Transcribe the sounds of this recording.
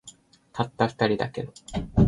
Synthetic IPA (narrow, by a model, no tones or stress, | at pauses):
t̪ʰat̪ːaɸɯ̥t̪aɾʲid̪a̰ke̞d̪o